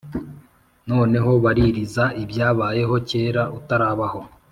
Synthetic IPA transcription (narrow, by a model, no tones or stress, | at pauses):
no̞ːne̞ɦo̞βaɾiɾizaʔibjaːβaːje̞ɦo̞ce̞ːɾautaɾaːβaho̞